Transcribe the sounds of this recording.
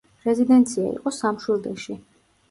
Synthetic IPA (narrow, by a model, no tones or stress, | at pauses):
ɾɛzid̪ɛnt̪sʰia̰ḭqʼɔsamʃwilˠd̪ɛʃi